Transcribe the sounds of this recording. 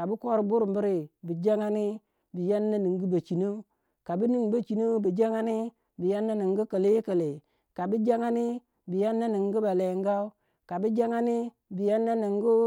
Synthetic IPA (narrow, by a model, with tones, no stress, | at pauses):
ka˨bu˦ko˦ɾbu˦ɾu˨mbi˦ɾi˨bi˨d͡ʒa˦ŋa˦ni˦ | bi˨ja˦nːa˦ni˨ŋɡi˦ba˨t͡ʃi˨no˦ | ka˨bi˦ni˦˨ŋba˨t͡ʃi˨no˦bi˨d͡ʒa˦ŋa˦ni˦ | bi˨ja˦nːa˦ni˨ŋ˦ɡi˦kə˨le˦kə˨le˨ | ka˨bi˦d͡ʒa˦ŋa˦ni˦ | bi˨ja˦nːa˦ni˨ŋɡi˦ba˨le˨ŋɡa˦u˦ | ka˨bi˦d͡ʒa˦ŋa˦ni˦ | bi˨ja˦nːa˦ni˨ŋ˦ɡu˦